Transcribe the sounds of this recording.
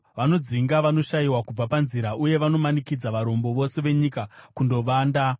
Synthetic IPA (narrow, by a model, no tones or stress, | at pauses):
ʋano̞d͡ziŋɡaʋano̞ʃajiwakub͡vapanziɾaʔuje̞ʋano̞manikid͡zaʋaɾo̞mbo̞ʋo̞se̞ʋe̞ɲikakundo̞ʋaːnda